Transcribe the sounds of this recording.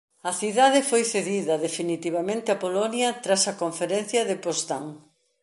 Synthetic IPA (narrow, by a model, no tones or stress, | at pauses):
ɐθiðaðɪfojθeðiðɐðefinit̪iβɐmẽnt̪ɪɐpolonjɐt̪ɾasɐkoɱfeɾenθjɐðɪpost̪aŋ